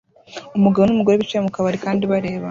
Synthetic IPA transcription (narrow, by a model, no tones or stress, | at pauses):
umuɡaβonumuɡo̞ɾeβit͡ʃiɾamukaβaɾikaːndiβaɾe̞ːβa